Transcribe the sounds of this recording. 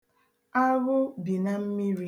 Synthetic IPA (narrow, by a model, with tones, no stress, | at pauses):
a˦ɣʊ˦bi˨na˦m̩˦mi˦ɾi˦˨